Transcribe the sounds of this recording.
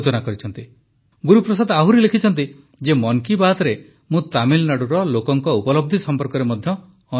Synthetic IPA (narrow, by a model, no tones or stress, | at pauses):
t͡ʃɔnakɔɾit͡ʃʰɔnt̪i | ɡuɾupɾɔsad̪aɦuɾilekʰit͡ʃʰɔnt̪i | d͡ʒemɔŋkibat̪ɔɾe | mũt̪amilnaɽuɾɔlokɔŋkɔupɔlɔb̚d̪ʱisɔmpɔɾkɔɾemɔd̪ʱjɔː